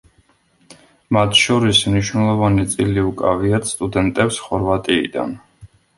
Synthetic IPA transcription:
mat̪ʰʃɔɾismniʃwnɛlˠɔvanit̪sʼiliukʼa̰viat̪st̪ʼud̪ɛnt̪ʼɛpsχɔɾvat̪ʼḭːd̪a̰n

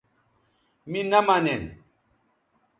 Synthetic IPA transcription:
minamanɛn

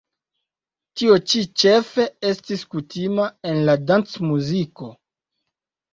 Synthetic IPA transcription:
tiot͡ʃit͡ʃe̞fe̞e̞stiskutimae̞nladant͡smuziko̞

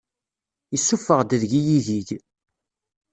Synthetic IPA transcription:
isːufəʁd̪əðʝijiðiʝ

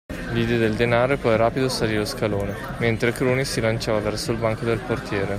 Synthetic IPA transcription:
lid̪ɛd̪eld̪enaːɾopɔɛɾaːpid̪osaliːɾloskaloːne | ment̪ɾekɾuːnisilant͡ʃaːvavɛrsoilbaŋkod̪elport̪jɛːɾe

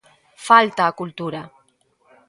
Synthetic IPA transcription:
falt̪aːkult̪uɾa

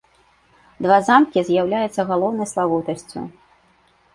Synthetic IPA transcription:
d̪vazamkʲizʲjawlʲajut̪sːɐɣalˠɔwnɐjslˠavɔwt̪ɐsʲt͡sʲṵ

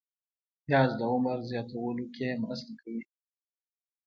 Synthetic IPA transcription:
jjɑːzd̪əʊməɾzjɑt̪awəlokemasəlkawi

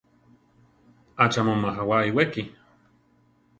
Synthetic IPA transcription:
at͡ʃamomaɦawaiweki

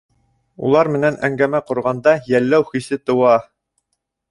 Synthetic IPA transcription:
ṵlˠɑɾmɘ̆nænæŋɡæmæqŏɾʁɑnd̪ɑjælːæwχisɘt̪ŏwɑ

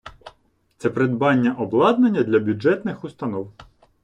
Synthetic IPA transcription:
t̪sɛpɾed̪bɑnʲːɐʔɔblˠɑd̪nenʲːɐd̪lʲɐbʲuɛt̪nɪxust̪ɐnɔw

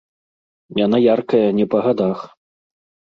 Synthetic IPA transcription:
janajarkɐjɐnʲɛpɐɣad̪ax

